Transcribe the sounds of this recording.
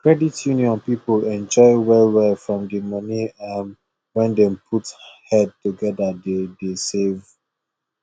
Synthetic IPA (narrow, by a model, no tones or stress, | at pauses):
kɹɛditʰjunjɔ̃npipolɛ̃nd͡ʒɔɪwɛwɛfɹɔ̃mdimʌniam | wɛ̃ndɛ̃mpʰuthɛd̚tuɡɛdadedesev